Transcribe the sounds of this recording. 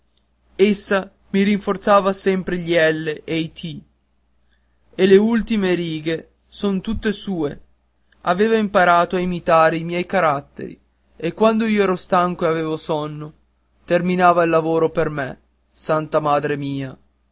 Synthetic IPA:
esːa | miɾiɱfort̪saːvasɛmpɾeʎiɛlːeʔejt̪ʰi | eleult̪imeɾiːɡe | sont̪ut̪ːesuːe | aveːvaimpaɾaːt̪oaimit̪aːɾeimjɛjkaɾat̪ːḛɾḭ | ekwand̪oiːoɛːɾost̪aŋkoeaveːvosɔnːo | t̪erminaːvailːavoːɾoperme | sant̪amaːd̪ɾemiːa

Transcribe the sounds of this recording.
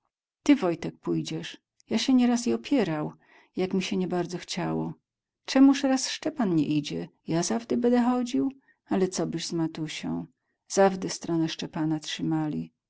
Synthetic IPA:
t̪ɘvɔjt̪ɛk̚pujd͡ʑɛʂ | jaɕɛɲɛɾasiɔpʲjɛɾaw | jakmʲiɕɛɲɛbaɾd̪zɔxt͡ɕawɔ̰ | t͡ʂɛmuʂɾasʂt͡ʂɛpanɲɛ̰ʔid͡ʑɛjazavd̪ɛbɛnd̪ɛxɔd͡ʑiw | alɛt̪sɔbɘʑzmat̪uɕɔ̰̃w̃ | z̥avd̪ɛst̪ɾɔnɛʂt͡ʂɛpanatʂɘmalʲḭ

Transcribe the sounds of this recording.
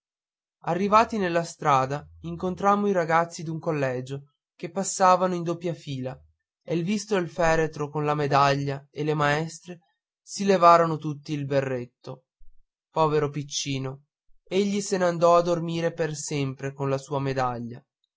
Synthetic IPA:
arːivaːt̪inelːast̪ɾaːd̪aiŋkont̪ɾamːoiɾaɡat̪sːid̪uŋkolːɛːd͡ʒo | kepːasːaːvanoind̪opːjafiːla | elvist̪oelfɛːɾet̪ɾokonlamed̪aʎːaelemaɛst̪ɾe | silevaːɾonot̪ut̪ːiːlberːet̪ːo | pɔːveɾopit͡ʃːiːno | eʎːiseneand̪ɔad̪ːormiːɾepersɛmpɾekonlasuːamed̪aʎːa

